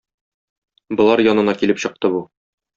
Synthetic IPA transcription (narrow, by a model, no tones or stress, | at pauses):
bŏlˠɑɾjɒnɤ̆nɑkilɘpɕɤ̆q̚t̪ɤbu